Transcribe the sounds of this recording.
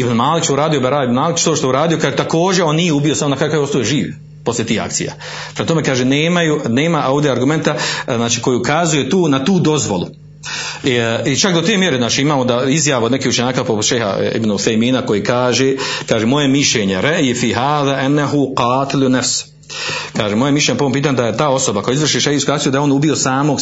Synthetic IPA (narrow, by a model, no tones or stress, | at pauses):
ibnmaːlikʃt̪ouɾaːd̪ijobaɾaːibnmaːlikt͡ʃt̪oːʃt̪ojuɾaːd̪ijo̞kʰaːʒet̪ako̞ːd͡ʑeo̞nnijeubijo̞samonakɾaukajoost̪ojeʒiːʋ | po̞slje̞t̪iːha̰k̚t̪sḭja̰ː | pɾemat̪o̞mekaːʒeneːmajuneːmaʔo̞ːʋd̪ʲeaɾɡume̞nt̪aznaːt͡ʃiːko̞juukazujet̪uːnat̪uːd̪o̞zʋo̰lṵ | it͡ʃakd̪ot̪emjeɾeznaːt͡ʃiimaːmod̪aizjaʋaod̪ne̞kiːhut͡ʃe̞ɲaːkaːpoʃejha̰ḭbnuuθejmiːnako̞jekaːʒekaːʒemo̞je̞miʃʎeːɲe̞ɾaʔjfiːɦaːðaːʔanːaɦuqɑːt̪ɪlunafs | kaːʒemo̞jemiʃ̬leɲepoompiːt̪aːɲud̪ajet̪aːo̞so̞bakojaizʋvr̩ʃiʃehiːskuakt̪jud̪aeo̞nubio̞saːmo̞ɡ